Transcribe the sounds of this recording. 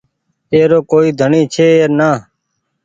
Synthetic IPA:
eːɾoːkoːiːd̪ʱəɳiːt͡ʃʰeːeːɾnaː

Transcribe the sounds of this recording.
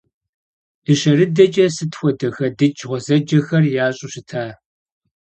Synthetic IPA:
iɕɐrɨdɐt͡ʃʼɐsɨtxʷɔdɐxɐdɨt͡ʃʰʁʷɔzɐd͡ʒɐxɐrjaːɕʼʊɕɪtʰaː

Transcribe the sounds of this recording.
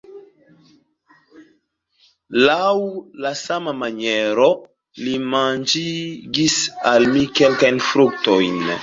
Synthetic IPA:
lawlasamamaɲɛɾo | limãnd͡ʒiɡisalmikɛlkajnfɾuk̚t̪ojn

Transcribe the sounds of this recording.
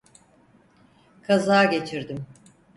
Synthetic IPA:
kʰazaːɟe̞t͡ʃʰiɾd̪im

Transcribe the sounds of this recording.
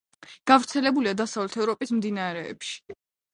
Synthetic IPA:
ɡ̥avɾt̪sʰɛlɛbuliad̪asavlɛt̪ʰɛvɾɔpʼismd̪inaɾɛ̰ːpʃi̥

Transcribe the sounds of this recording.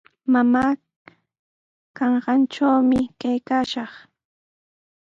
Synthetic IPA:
mamaː | kɑɴɢɑnʈ͡ʂawmɪkajkaːʃɑχ

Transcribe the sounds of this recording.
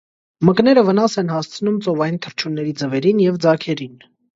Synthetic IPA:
məknɛɾəvənɑsɛnɦɑst͡sʰnumt͡sɔvɑjint̪ʰəɾt͡ʃʰunːɛɾid͡zəvɛɾinjɛvd͡zɑkʰɛɾin

